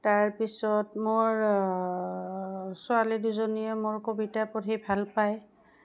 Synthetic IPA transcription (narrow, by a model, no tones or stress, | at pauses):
taɹpisɔtmoɹ | sʊaliduzoniɛmʊɹkobitapotʰibʱalpaj